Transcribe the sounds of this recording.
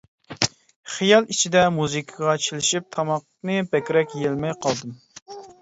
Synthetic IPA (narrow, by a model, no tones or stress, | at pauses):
χijɑlˠit͡ʃʰid̪ɛmuzɨkʰɑʁɑt͡ʃʰilɪʃip̚t̪ʰɑmɑq | nɨbɛkʲɾɛkʲjelmɛjqʰɑlˠd̪ɨm